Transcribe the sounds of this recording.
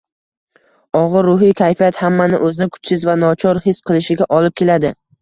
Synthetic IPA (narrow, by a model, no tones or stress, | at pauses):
ɒʁɨɾːʊɦijkʲʰajfijat̪hamːanɪ̰ʔɵzɪnɪkʰʊ̥t͡ʃsɪzvanɒt͡ʃʰɒɾhɪsqʰɨlɪʃɪɡʲaʔɒlɪp̚kʲe̞lad̪ɪ